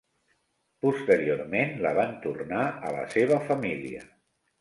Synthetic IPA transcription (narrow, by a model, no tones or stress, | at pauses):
pust̪əɾiormenlə̰β̞ant̪urnaʔə̰lə̰seβ̞əfəmilḭə̰